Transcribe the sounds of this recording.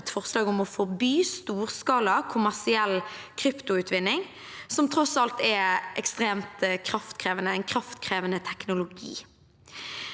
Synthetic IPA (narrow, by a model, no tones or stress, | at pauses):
t̪fɔʁslɑːɡɔmɔfɔʁbyːst̪uːʁskɑːlɑkʰʊmæʁsɪɛlːkʰʁʏpt̪ʊʉːt̪ʰʋɪnːɪŋ | sɔmt̪ʰʁɔsɑlt̪ʰɛʔɛ̰kst̪ʁeːmt̪kʰɾɑft̪kʰʁeːʋənəɛɪnkʰɾɑft̪kʰʁeːʋənət̪ʰɛknʊlʊɡḭː